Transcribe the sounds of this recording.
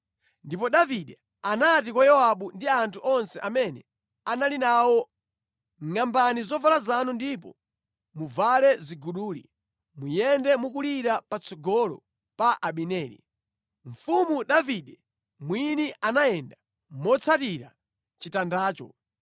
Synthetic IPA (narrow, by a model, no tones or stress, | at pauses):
ndipɔɗaviɗɛ | anat̬ikwajɔwaɓundiantʰuʔɔnsɛʔamɛnɛ | analinawɔ | ŋambanizɔvalazanundip̬ɔ̰ | muvalɛziɡuɗuːlḭ | mujɛndɛmukuliɾapat͡sʰɔɡɔlɔ̰ | paʔaɓinɛːɾḭ | ɱ̩fumuɗaviɗɛ | mwiniʔanaɛnda | mɔt͡sʰatiɾa | t͡ʃitandaːt͡ʃɔ̰